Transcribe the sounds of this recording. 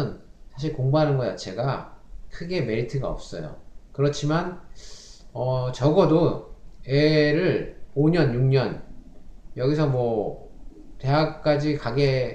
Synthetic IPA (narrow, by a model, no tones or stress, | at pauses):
ɯnsʰaɕ̬ʰiɭkoŋbaɦanɯnɡʌt͡ɕat͡ɕʰe̞ɡakʰɯɡe̞me̞ɾitʰɯɡaʌ̰p̚s͈ʌ̰jo̰kɯɾʌt͡ɕʰiman | ʌt͡ɕʌɡʌdo | eɾɯɭoɲʌnjuŋɲʌn | jʌɡis̬ʰʌmwʌ | te̞ɦak̚k͈ad͡ʑikaɡe̞